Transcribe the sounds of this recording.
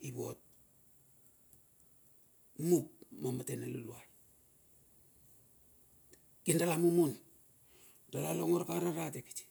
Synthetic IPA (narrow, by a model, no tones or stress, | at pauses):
iβo̞̰t̚ | mup̚momatenalulua | kindalamumun | d̥alaloŋoɾakaɾaɾateki̥ti̥